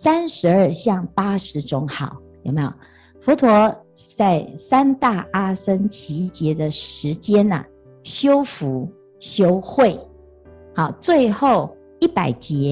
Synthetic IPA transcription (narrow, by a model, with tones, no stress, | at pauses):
sa˦˥nʂɻ̩˧˥ə˞˥˧ɕjɑ˥˩ŋpa˥ʂɻ̩˧˥ʈ͡ʂʊ˥ŋxɑ˨˩˦ʊjo˨˩me˧˥jo̰˨˩ʊ | fɔ˧˥t̪ʰwɔ˧˥ | t͡sa˥˩ɪsa˥nt̪a˥˩a˥sə˥ŋt͡ɕʰi˧˥t͡ɕjɛ˧˥d̪ə˨ʂɻ̩˧˥t͡ɕjɛ˥nə̰˨ | ɕjo˥ʊfu˧˥ | ɕjo˥ʊxwe˥˩ɪ | xɑ˨˩ʊt͡swe˥˧ɪxo˥˩ʊ | i˥˩pa˨˩ɪt͡ɕjɛ˨˧˥